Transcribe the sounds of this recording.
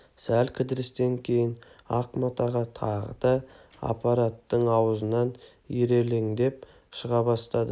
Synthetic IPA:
sælkʲʰɪd̪ɪɾɪst̪e̞ŋkʲʰe̞jɪnɑqmɑt̪ɑʁɑt̪ʰɑʁə̰d̪̥ɑɑ̰pɑɾat̪ːəɴɑwəzənɑn | iɾe̞leŋd̪e̞p̚ | ʃəʁɑbɑst̪ɑd̪ə

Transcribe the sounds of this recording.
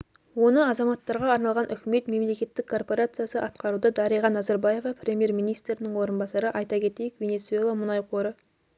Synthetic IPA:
wo̞nəɑzɑmɑt̪ːɑɾʁɑːɾnɑlˠʁɑnʔʏkʲɪme̞t̪me̞mle̞kʲe̞t̪ːɪkʰːo̞rpo̞ɾat̪sɨjasəʔɑt̪qɑɾud̪əd̪ɑɾijʁɑnːɑzɑɾbɑje̞vɑpʰɾʲe̞mʲije̞ɾmʲijnijst̪ɾɪnɪŋwo̞ɾənbɑsɑɾəʔɑjt̪ɑkʲʰe̞t̪e̞jɪkvʲe̞ne̞t̪sue̞lˠamʊnɑjqʰo̞ɾə

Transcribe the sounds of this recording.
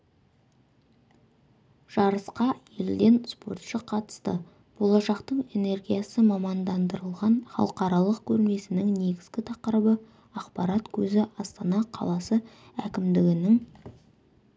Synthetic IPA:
ʒ̥ɑɾəsqɑje̞ld̪e̞nspo̞rt̪ʃəqʰɑt̪ə̥st̪ə̰ | b̥o̞lˠɑʃɑqt̪əɴe̞ne̞rɡʲijasəmɑmɑnd̪ɑnd̪əɾəlˠʁɑnχɑ̰lˠəqɑɾɑlˠəqkʲʰɵɾnme̞sɪnɪŋne̞ɡʲɪzɡʲɪt̪ʰɑqəɾbə | ɑqpɑɾɑt̪kʲʰɵzɪʔɑst̪ɑnɑqʰɑ̰lˠɑsə | ækʲɪmd̪ɪɡʲɪnɪŋ

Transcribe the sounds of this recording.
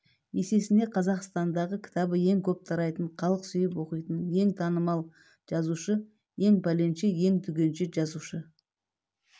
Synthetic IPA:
je̞se̞sɪnd̪e̞qʰɑzɑqst̪ɑnd̪ɑʁəkʲʰɪ̥t̪ɑbəje̞ŋkʲʰɵp̚t̪ʰɑɾɑjt̪əɴqʰɑlˠəqsʏjɪpwo̞qijt̪ənje̞ŋt̪ʰɑnəmɑlˠ | ʒ̥ɑzuʃə | je̞ŋbæle̞nʃɪje̞ŋt̪ʰʏɡʲe̞nʃɪʒɑzuʃə

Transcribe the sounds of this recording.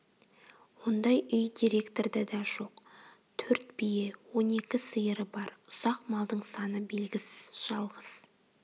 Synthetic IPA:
wo̞nd̪ɑjʏjd̪ʲiɾe̞kt̪o̞ɾd̪ɑd̪ɑʒo̞q | t̪ʰɵɾt̪̚bije̞wo̞ne̞kʲɪsɨjəɾəbɑɾʊsɑqmɑlˠd̪əɴsɑnəbe̞lɡʲɪsɪzʒ̥ɑlˠʁəz̥

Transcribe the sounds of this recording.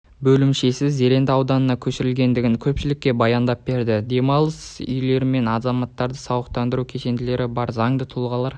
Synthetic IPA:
bɵlɪmʃe̞sɪze̞ɾe̞nd̪ɪɑwd̪ɑnənɑkʲʰɵʃɪɾɪlɡʲe̞nd̪ɪɡʲɪŋkʲʰɵpʃɪlɪkʲːe̞bɑjɑnd̪ɑp̚be̞ɾd̪ɪd̪e̞mɑlˠəsʏ̰jle̞ɾɪme̞nɑzɑmɑt̪ːɑɾd̪əsɑwəqt̪ɑnd̪əɾukʲʰe̞ʃe̞nd̪ɪle̞ɾɪbɑɾzɑɴd̪ət̪ʰʊlˠʁɑlˠɑɾ

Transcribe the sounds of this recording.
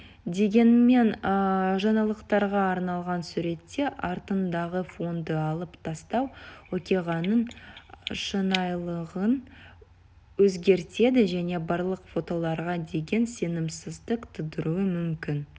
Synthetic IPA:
d̪e̞ɡʲe̞nme̞nʒɑnɑlˠəqt̪ɑɾʁɑːɾnɑlˠʁɑnsuɾe̞t̪ːe̞ʔɑɾt̪ənd̪ɑʁəfo̞nd̪əɑlˠəpt̪ʰɑst̪ɑwwokʲeʁɑnːəɴ | ʃənɑjlˠəʁən | wɵzɡʲe̞ɾt̪e̞d̪ɪʒæne̞bɑɾlˠəqfo̞t̪o̞lˠɑɾʁɑd̪e̞ɡʲe̞nse̞nɪmsɪzd̪əqt̪ʰʊd̪əɾuwəmʏmkʲɪn

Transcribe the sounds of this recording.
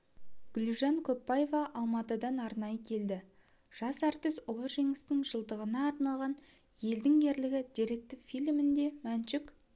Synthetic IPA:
ɡ̥ʲʏlʒɑŋkʲʰɵpːɑjevɑʔɑlˠmɑt̪əd̪ɑnɑɾnɑjəkʲʰe̞ld̪ɪ | ʒ̥ɑsæɾt̪ɪsʊlˠəʒeŋɪsnɪŋʒəlˠd̪əʁənɑːɾnɑlˠʁɑn | je̞ld̪ɪŋɡʲʰe̞ɾlɪɡʲɪd̪ʲiɾe̞k̚t̪ɪfʲilʲmɪnd̪e̞mænʃɪk

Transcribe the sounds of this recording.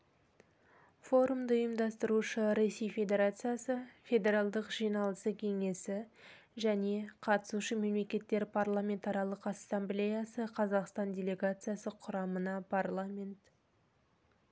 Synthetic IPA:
fo̞ɾumd̪əʊjəmd̪ɑst̪əɾuʃəɾe̞se̞jfʲe̞d̪ʲe̞ɾat̪sɨjasəfʲe̞d̪ʲe̞ɾɑlˠd̪əqʒ̥ijnɑlˠəsəkʲʰe̞ŋe̞sɪ | ʒæne̞qʰɑt̪ə̥suʃəme̞mle̞kʲe̞t̪ːe̞ɾpʰarlˠamʲe̞nt̪ɑɾɑlˠəqɑsːamblʲe̞jasəqʰɑzɑqst̪ɑndʲe̞lʲe̞ɡat̪sɨjasəqʰʊɾɑmənɑpʰarlˠamʲe̞nt̪

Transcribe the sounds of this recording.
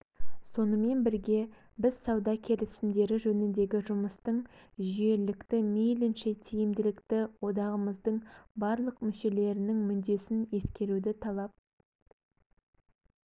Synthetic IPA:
so̞nəme̞nbɪɾɡʲe̞ | bɪz̥sɑwd̪ɑkʲʰe̞lɪsɪmd̪e̞ɾɪʒɵnɪnd̪e̞ɡʲɪʒʊməst̪əɴʒije̞lɪkt̪ɪmijlɪnʃɪt̪ʰijɪmd̪ɪlɪkt̪ɪwo̞d̪ɑʁəməzd̪əɴbɑɾlˠəqmʏʃe̞le̞ɾɪnɪŋmʏnd̪e̞sɪnje̞skʲe̞ɾud̪ɪt̪ʰɑlˠɑp̚

